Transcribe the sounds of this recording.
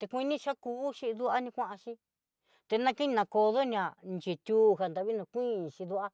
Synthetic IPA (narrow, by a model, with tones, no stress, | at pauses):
t̪e˧kʷĩ˧nĩ˦ʃa˦kuː˧˦ʃi˧ðu˦ʔa˦nĩ˧kʷã˦ʔa˧ʃĩ˦ | t̪e˧nã˦˧ki˦nĩ˧nã˧ko˧ðo˦nĩ˧ã˨nt͡ʃe˨t̪ʲuː˦ɦa˨nd̪a˧βi˦nũ˧kʷĩ˦˨ʃĩ˧ðu˦a˦